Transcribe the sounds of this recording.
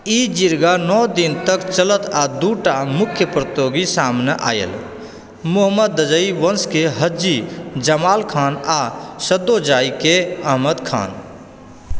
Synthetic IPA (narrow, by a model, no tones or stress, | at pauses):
id͡ʒiɾɡanɔːd̪ɪnt̪əkt͡ʃələt̪ad̪uːʈamʊkʰjəpɾət̪joːɡisaːmneʔa̰ːjḛl | mʊɦəmːəd̪ːəd͡ʒəiʋənskeɦəd͡ʒid͡ʒəmaːlkʰaːnasəd̪ːod͡ʒaːikeəɦməd̪kʰa̰ːn